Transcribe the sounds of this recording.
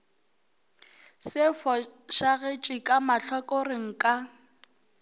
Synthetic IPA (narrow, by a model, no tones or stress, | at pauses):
sɪfɔ | ʃaɣet͡ʃʼɪkʼamaɬɔkʼorɪŋ̩kʼa